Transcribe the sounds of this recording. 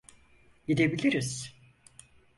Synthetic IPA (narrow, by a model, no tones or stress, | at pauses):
ɡid̪ebilʲiɾiz̥